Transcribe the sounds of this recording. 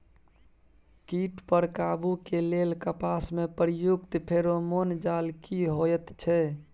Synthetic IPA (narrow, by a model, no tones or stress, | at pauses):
kiʈpəɾkabukelelkəpasmepɾjukt̪pʰeɾomond͡ʒalkiɦoɛt̪t͡ʃʰɛ